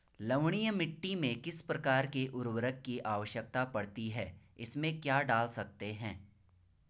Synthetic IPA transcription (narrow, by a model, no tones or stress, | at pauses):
lɐʋɽ̃ijəmɪʈːimẽkɪspɾɐkaːɾkeʔʊɾwəɾəkːiʔaːʋəʃjək̚t̪apɐɽt̪iɦɛː | ɪsmẽkjaːɖaːlsɐk̚t̪eɦɛ̰̃ː